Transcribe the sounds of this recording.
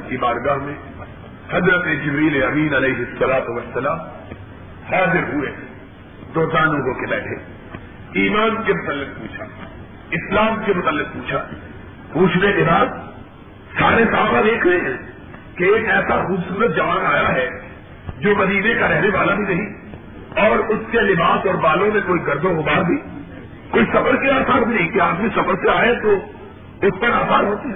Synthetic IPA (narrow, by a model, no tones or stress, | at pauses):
kibaːɾɡaːɦmẽ | hɐzɾət̪ed͡ʒɪbɾiːleɐmĩːnɐleːɦɪsːɐlaːt̪ʊʋɐsːɐlaːm | haːzɪɾɦʊe | d̪oːzãːloːɡõkebɛːʈʰeː | iːmaːnkemʊt̪əlːɪk̚puːt͡ʃʰa | ɪslaːmkemʊt̪əlːɪk̚puːt͡ʃʰa | puːt͡ʃʰdekebaːd̪ | saːɾesaːxad̪eːkʰɾeɦɛ̃ | keeːkɛːsaxuːbsuːɾət̪̚d͡ʒɐʋaːnaːjaɦɛ | d͡ʒoːmɐd̪iːnekaɾɛɦneʋaːlabʱinɐɦĩ | ɔːɾʊskelɪbaːsɔːɾbaːlõmẽkoːiɡɐɾd̪õɦʊbaːɾd̪ʱiː | koːisɐfəɾkeaːsaːɾbʱinɐɦĩkeaːd̪mĩsɐfəɾseaːet̪o | ʊspɐɾaːsaːɾɦoːt̪iɦɛ